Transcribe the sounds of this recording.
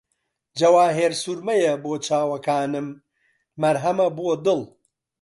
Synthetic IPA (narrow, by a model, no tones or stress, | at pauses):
d͡ʒɐwaːɦeːɾsuɾmɐjɐboːt͡ʃʰaːwɐkaːnɨmː | ɐɾɦɐmɐbuod̪ɨlˠ